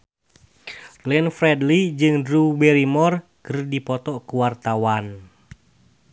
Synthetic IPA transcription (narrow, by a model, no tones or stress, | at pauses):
lɛnfɾɛdlid͡ʒɨŋdɾubɛɾimɔrkərdipɔt̪ɔkuwart̪awan